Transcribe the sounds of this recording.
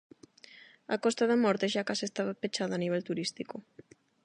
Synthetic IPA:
akɔst̪aðamɔɾt̪eʃakasest̪aβapet͡ʃaðaːniβ̞ɛlt̪uɾist̪iko

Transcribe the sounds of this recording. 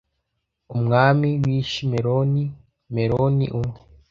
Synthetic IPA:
umŋaːmiwiːʃimeɾoni | meɾonḭʔume

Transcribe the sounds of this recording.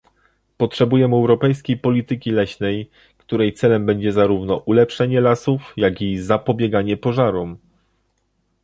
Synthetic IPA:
pɔtʂɛbujɛmɛwɾɔpɛjskʲejpɔlʲit̪ɘkʲilɛɕnɛj | kt̪uɾɛjt̪sɛlɛmbɛɲd͡ʑɛzaɾuvnɔʔulɛpʂɛɲɛlasufjaɡʲizapɔbʲjɛɡaɲɛpɔʐaɾɔm

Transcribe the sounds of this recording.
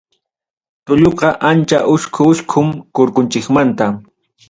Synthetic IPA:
t̪ʊʎoqɑʔant͡ʃaʔʊʃkʰʊʃkʰʊmkoɾkʊnt͡ʃɪkmant̪a

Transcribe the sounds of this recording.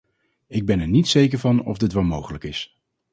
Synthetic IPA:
ɪɡ̚bɛnɛɹnitsejkəɹvɑnɔ̰vdɪtʋɛlˠmowχələkɪs

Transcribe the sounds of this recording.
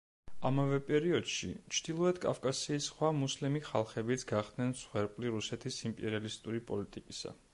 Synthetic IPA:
amavɛpʼɛɾiɔd̪̥ʃḭt͡ʃʰd̪̥ilˠɔɛd̪̥kʼa̰fkʼasiːsχwamuslimiχalˠχɛbit̪sʰɡaχd̪̥nɛnsχwɛɾpʼliɾusɛt̪ʰisimpʼɛɾialist̪ʼuɾipʼɔlit̪ʼikʼisa̰

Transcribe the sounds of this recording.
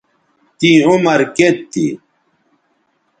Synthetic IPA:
t̪iumɐɾket̪ʰːḭ

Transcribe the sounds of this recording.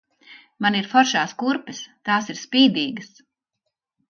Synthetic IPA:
maniɾfɔɾʃaːskuɾpɛst̪aːsiɾspiːd̪iːɡɐs

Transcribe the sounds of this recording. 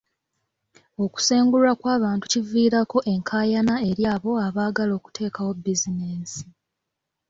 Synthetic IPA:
o̞ku̥seːŋɡulakwaːβaːntu̥civiːɾako̞ʔe̞ŋkʰaːjanae̞ɾjaːβo̞aβaːɡalo̞ːku̥tʰe̞ːkawo̞bizineːsi̥

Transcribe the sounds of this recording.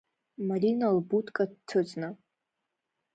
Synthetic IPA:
marʲinalbutʰʼkʼadtʰɨt͡sʼna

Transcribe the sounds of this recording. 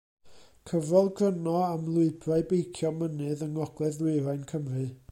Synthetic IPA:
kʰəvrɔlˠɡrənɔamlˠʊɨbraɨbejkʰjɔmənɨðəŋɔɡ̥lˠɛðlˠʊɨɾajnkʰəmrɨ

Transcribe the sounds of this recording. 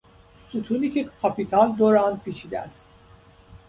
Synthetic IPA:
sut̪ʰunikʲʰikʰapit̪ʰalʲd̪oɾanpit͡ʃʰid̪æ̰s

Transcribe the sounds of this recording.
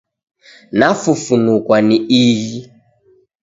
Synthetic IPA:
nafufunukwaniiji

